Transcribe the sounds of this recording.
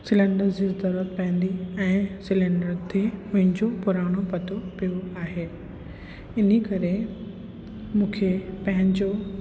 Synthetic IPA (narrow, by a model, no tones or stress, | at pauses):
sɪlɛ̃ɳɖəɾzd͡ʑezd̪ɐɾət̪̚pɛ̃ɦɪ̃n̆d̪iɛ̃ːsɪlɛ̃ɳɖəɾt̪ʰeɦʊ̃ɦɪ̃nd͡ʑopʊɾaːɽ̃opɐt̪ʰopijoaːɦeː | ɪnikɐɾe | mũːkʰepɐ̃ɦɪ̃ɲd͡ʑo